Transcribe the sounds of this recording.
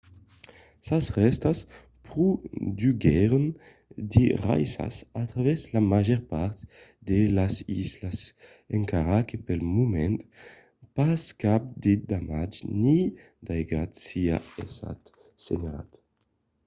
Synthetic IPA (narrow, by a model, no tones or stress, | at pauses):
sasʁɛst̪as | pɾud̪yɡɛɾn | d̪iʁa̰jsa̰sat̪ɾaβɛzlamaʒɛɾpaɾt̪d̪elasizlas | eŋkaɾakepɛlmumɛnt̪ | paskap̚d̪ed̪amad͡ʒni | d̪ajɡat̪sia̰esa̰t̪ | senala̰t̪